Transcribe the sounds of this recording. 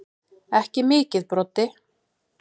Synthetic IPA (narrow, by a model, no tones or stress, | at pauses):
ɛhcɪmɪːcɪðpɾɔt̪ːɪ